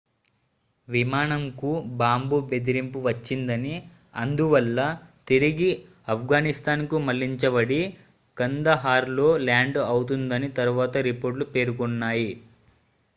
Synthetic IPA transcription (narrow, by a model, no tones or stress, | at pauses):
ʋimaːnɐmkubaːmbuːbe̞d̪iɾimpuʋɐt͡ʃːind̪ɐni | ɐ̰nd̪uʋɐlːɐt̪iɾiɡi | ɐpʰɡaːnist̪aːnkumɐlːiɲt͡ʃɐbɐɽi | kɐnd̪ɐɦaːɾlo̞ːlaːɳɖɐwut̪und̪ɐnit̪ɐɾuʋaːt̪ɐɾipo̞ːɾʈ̬lupe̞ːɾukunːaːji